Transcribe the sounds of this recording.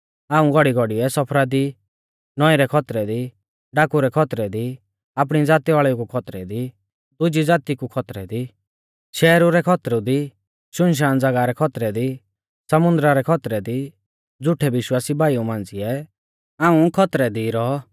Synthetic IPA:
aːũɡɔɽiɡɔɽiɛsɔpʰɾad̪i | nɔiɾɛkʰɔt̪ɾɛd̪i | ɖaːkuɾɛkʰɔt̪ɾɛd̪i | ap̬ɽ̃id͡zaːt̪iʋaːɭɛukukʰɔt̪ɾɛd̪i | d̪ʊd͡ʒid͡zaːt̪ikukʰɔt̪ɾɛd̪i | ʃɛːɾuɾɛkʰɔt̪ɾud̪i | ʃʊnʃ̬aːñd͡zɐɡaɾɛkʰɔt̪ɾɛd̪i | sɐmʊ̃nd̪ɾaɾɛkʰɔt̪ɾɛd̪i | d͡zʊʈʰɛbɪʃwaːsibaːiumãːn̆d͡ziɛ | aːũkʰɔt̪ɾɛd̪iɾɔ

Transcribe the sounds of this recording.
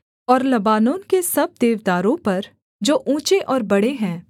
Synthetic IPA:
ɔːɾlɐbaːnõːnkesɐb̚d̪eːʋd̪aːɾõpɐɾ | d͡ʒoːʔũːt͡ʃeʔɔːɾbɐɽeɦɛ̃ː

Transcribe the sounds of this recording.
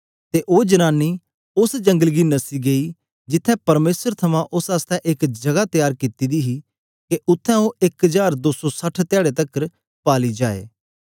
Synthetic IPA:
t̪eʔoːd͡ʒɐnaːnːi | ʊsd͡ʒɐ̃ŋɡəlɡinɐsiɡeːi | d͡ʒɪt̪ʰːɛ̃pɐɾmeːsəɾt̪ʰɐmãʔʊsaːst̪ɛ̃ʔɪkd͡ʒɐɡat̪ɪjaːɾkɪt̪id̪iɦi | keʔʊt̪ʰːɛ̃oɪkəzaːɾd̪oːsɔsɐʈʰt̪jaːɽet̪ɐkːəɾ | paːlid͡ʒaːḛː

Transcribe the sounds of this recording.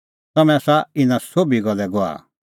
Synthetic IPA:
t̪ɐmɛ̃asaɪnãsoːbiɡɐlːɛɡoa̰

